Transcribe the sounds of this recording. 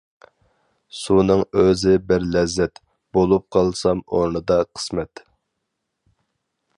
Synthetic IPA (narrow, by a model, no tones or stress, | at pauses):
sunɨŋøzɪbɪɾlɛzːɛt̪ | b̥olˠup̚qʰɑlˠsɑmoɾnɨd̪ɑqʰə̥smɛt̪